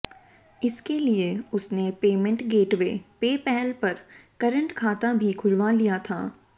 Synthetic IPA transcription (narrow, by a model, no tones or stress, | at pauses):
ɪskelieʊsnepeːmə̃ɳʈɡeːʈʋeːpeːpɛːlpɐɾkɐɾə̃ɳʈkʰaːt̪abʱikʰʊɾʋalijat̪ʰaː